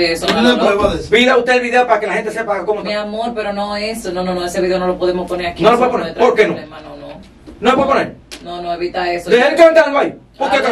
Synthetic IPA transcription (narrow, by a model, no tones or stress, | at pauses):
eesoueβoðebiðaut̪eβiðeapaɾakelahent̪esepaɣakomomeamoɾpeɾonoesononõnõeseβiðeonolopoðemosponeɾakinõlopeponet̪ɾpoɾkenõemanono | nõepweponeɾnonõeβit̪aesod̪eɦelkeaŋk̪aɡwaj | poɾkeka